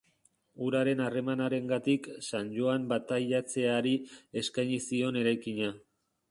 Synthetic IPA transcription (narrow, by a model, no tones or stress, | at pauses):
uɾaɾe̞nare̞manaɾe̞ŋɡat̪iksand͡ʒo̞ambat̪aʎat͡se̞aɾie̞skajɲisio̞ne̞ɾajkiɲa